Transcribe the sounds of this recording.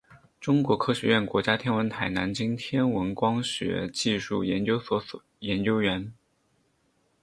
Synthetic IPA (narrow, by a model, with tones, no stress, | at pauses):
ʈ͡ʂʊ˥ŋkwɔ˧˥kʰɤ˥ɕɥɛ˧˥ɥɛ˥˩nkwɔ˧˥t͡ɕja˥t̪ʰjɛ˥nwə˧˥nt̪ʰa˨˩ɪna˧˥nt͡ɕi˥ŋt̪ʰjɛ˥nwə˧˥nkwɑ˥ŋɕɥɛ̰˧˥t͡ɕi˥˧ʂu˥˩jɛ˧˥nt͡ɕjo˥ʊswɔ˧˥sɔ˨˩jɛ˧˥nt͡ɕjo˥ʊɥɛ˧˥n